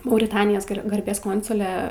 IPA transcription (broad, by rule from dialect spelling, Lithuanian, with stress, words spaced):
mɐʊrʲɪˈtɑːnʲɪjoːs ˈɡɐrʲbʲeːs ˈkoːnsʊlʲɛ